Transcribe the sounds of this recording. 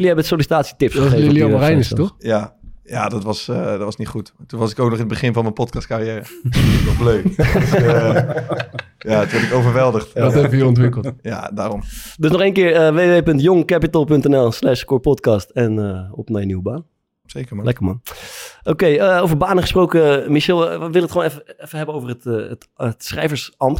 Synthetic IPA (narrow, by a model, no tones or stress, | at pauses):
lɛbətsolisi̥taːtsi̥tɪpsəeːvliomərɛjnstɔjaja̰ːdɔtʋɑsdɔtʋɑsnitχutatunʋɑsɪkoːwknɔχɪnəbəχɪnvɑnmənpɔtkɑst̚karijɛːrəɔzbløɥk | jatʋɛtɪkowvərʋɛlˠdəχtɔtɛbəʋəjəɔntʋɪkəlˠtja̰ːdaːrɔmdøs̬nɔχenkɪːɹəʋeːʋeʋepɵntjoŋkɛpitəlˠpɵntɛnɛlˠslɛʃkʊpɔtkɑstɛnəɔ̰pnajəniwəbaːn | sejkəmlɛkəmɑnʔokejəowvəɹbaːnəχəsprowkəmiʃɛlˠʋɪlətχəwoːnɛfəɛfəɦɛbənowvərətətətsχrɛjfəɹsɑmp